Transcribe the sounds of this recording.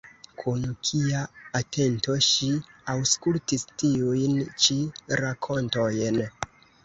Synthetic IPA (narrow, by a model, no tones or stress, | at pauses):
kʰunkʰiaatʰe̞nto̞ʃiawskultistiujnt͡ʃiɾakʰo̞ntojn